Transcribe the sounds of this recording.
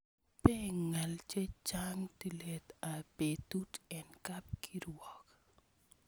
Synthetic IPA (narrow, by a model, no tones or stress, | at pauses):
peŋalt͡ʃet͡ʃaŋtilet̪abetutɛnkap̚kʰiɾwɔk